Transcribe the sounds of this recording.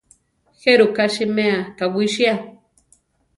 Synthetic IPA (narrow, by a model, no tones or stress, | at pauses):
xeɾukaʃimeakawiʃia